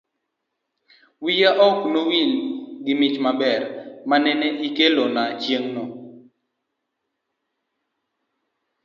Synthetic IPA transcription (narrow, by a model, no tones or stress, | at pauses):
wijaʔɔknowilɡɪmɪt͡ʃmabɛrmanɛnɛʔikelonat͡ʃjeŋno